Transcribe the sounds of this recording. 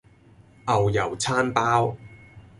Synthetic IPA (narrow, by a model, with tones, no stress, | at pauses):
ʔɐ˨wjɐ˨˩wt͡sʰaː˥npaː˥w